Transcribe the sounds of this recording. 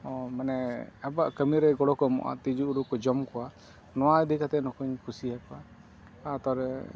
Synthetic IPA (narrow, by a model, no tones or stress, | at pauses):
ɔmanɛabaʔkəmiɾɛɡɔɽɔkɔmɔ̰ʔa̰t̪id͡ʒuuɾukɔd͡ʒɔmkɔwa | nɔwaɛd̪ikat̪ɛnɔkuɲkʰusiakɔa | at̪ɔɾɛ